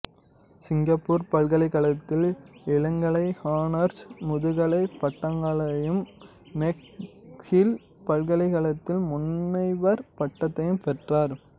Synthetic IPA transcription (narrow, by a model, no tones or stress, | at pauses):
sɪŋɡɐpːuːɾpɐlɣɐɭɐɪkɐɭɐt̪ːɪlɪlɐŋɡɐɭɐɪhaːnɐɾsmʊðɯɣɐɭɐɪpɐʈːɐŋɡɐɭɐjɯmː | ɛkhɪl | pɐlɣɐɭɪɣɐɭɐt̪ːɪlmʊnːɐɪʋɐɾpɐʈːɐt̪ːɐjɯmpɛʈraːɾ